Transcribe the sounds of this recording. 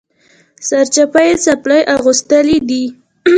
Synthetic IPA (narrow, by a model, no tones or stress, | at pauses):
saɾt͡ʃapajesaplajʔaɣust̪əlid̪i